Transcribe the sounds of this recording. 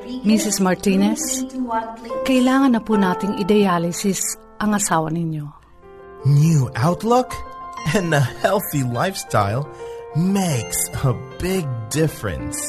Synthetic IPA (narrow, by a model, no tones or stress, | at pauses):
misɪsmɐɹt̪inɛs | kɐʔɪlaːŋɐnːɐpuːnaːt̪ɪŋɪd̪ɐjaːlɪsɪs | ʔɐŋɐsaːwɐnɪnjo | njʉʔaʊtˡlʊkɨ̃nəhɛlˠθilaɪfstʰa̰ɪlˠmeɪksəbɪɡ̚dɪfɹɨ̰̃ns